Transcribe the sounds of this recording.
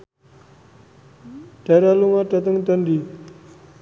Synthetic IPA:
ʈ͡ʂaɾaloŋaʈ͡ʂat̪aŋt̪ənɖ͡ʐi

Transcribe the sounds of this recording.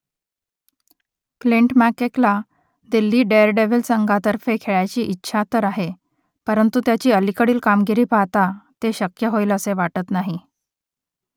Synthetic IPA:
kliɳʈmækekla | d̪ilːiːɖeɾɖeʋilsəŋɡʱat̪əɾfekʰeɭat͡ɕiːʔitːɕʰat̪əɾaɦe | pəɾənt̪ut̪jat͡ɕiːəlikəɽiːlkamɡiɾiːpat̪at̪eɕəkjəɦoiːləseʋaʈət̪naɦi

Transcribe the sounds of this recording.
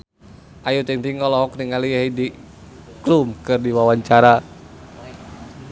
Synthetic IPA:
ʔajut̪iŋt̪iŋɔlɔɦɔk̚niŋaliɦedi | klumkɨrdiwawaɲt͡ʃaɾa

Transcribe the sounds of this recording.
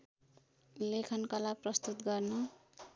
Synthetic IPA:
lekʰʌnkʌlaprʌst̪ut̪ɡʌrnʌ

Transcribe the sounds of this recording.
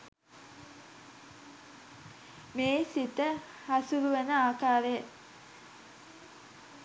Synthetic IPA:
meːsit̪ə | hɐsuɾuʋənəaːkaːɾejə

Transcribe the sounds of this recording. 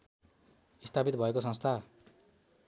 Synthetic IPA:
ist̪ʰapit̪bʱʌekosʌ̃ŋst̪ʰa

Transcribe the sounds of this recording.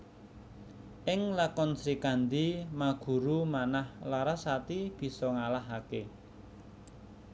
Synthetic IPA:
ʔɪŋlakɔnsɾikand̪imaɡ̥ṳɾumanahlaɾasat̪ib̥i̤sɔŋalaɦake

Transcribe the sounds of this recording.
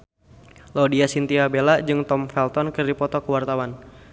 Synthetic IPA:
lodiasint̪iabelad͡ʒɨŋt̪ɔmfɛlt̪ɔnkɨrdipɔt̪ɔkəwart̪awan

